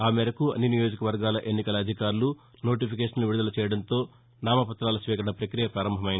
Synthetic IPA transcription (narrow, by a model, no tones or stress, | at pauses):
aːmɛɾɐkuɐ̰nːinijo̞ːd͡ʒikɐʋɐɾɡaːlɐʔe̞nːikɐlɐːd̪ʱikaːɾlu | no̞ːʈ̬ipʰikeːʂɐnluʋiɽud̪ɐlɐt͡ʃɛːjɐɽɐnt̪o̞ː | naːmɐpɐt̪ɾaːlɐsʋiːkɐɾɐɳɐpɾɐkɾijɐpɾaːɾɐmbʱɐmɐjin